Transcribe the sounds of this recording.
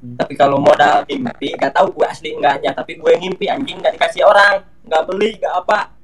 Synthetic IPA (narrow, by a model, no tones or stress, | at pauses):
t̪apikalomɔdalhimpiŋɡaʔt̪auɡuɛʔasliŋɡaʔɲat̪apiɡuɛŋimpiaɲd͡ʒiŋɡaʔdikasiɦoɾaŋ | ŋɡaʔbəliŋɡaʔːpaʔ